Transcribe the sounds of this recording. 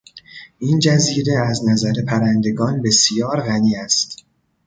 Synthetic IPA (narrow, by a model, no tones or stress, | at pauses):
ʔind͡ʒæziːɾe̞æznæzæɾe̞pʰæɾænd̪e̞ɡɒːnbe̞sjɒːɾɣæniːæst̪